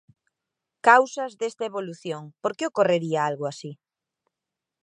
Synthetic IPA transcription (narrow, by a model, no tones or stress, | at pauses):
kawsɐzðest̪aeβoluθjoŋpoɾkeokoreɾiaalɣʊasi